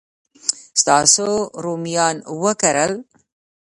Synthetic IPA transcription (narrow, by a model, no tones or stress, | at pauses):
st̪ɑːsoɾomijɑːnwəkaɾəl